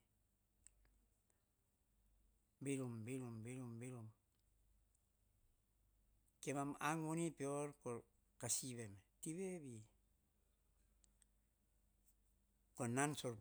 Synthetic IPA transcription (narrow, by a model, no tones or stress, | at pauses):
bilumbilumbilumbilum | kemamaŋonipeoɾko | kasiβemtiβebi | konansoɾ